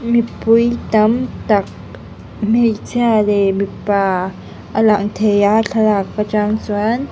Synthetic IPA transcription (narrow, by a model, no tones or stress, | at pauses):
mipujt̪amt̪ak̚ | mejt͡sjalemipa | ʔalaʔnt̪ʰejaɬalakːat͡ʃaŋt͡swan